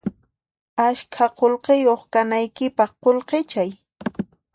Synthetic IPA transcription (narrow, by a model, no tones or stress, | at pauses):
aʃkʰaqolqejoχkanajkɪpɑχqolqet͡ʃaj